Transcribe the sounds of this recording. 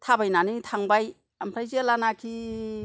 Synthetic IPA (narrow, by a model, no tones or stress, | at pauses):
tʰabajnanitʰaŋbaj | ampʰɾajzelanakʰi